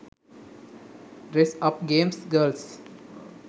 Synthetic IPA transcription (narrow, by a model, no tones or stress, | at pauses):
ɾesʌp̚ɡẽːmsɡəls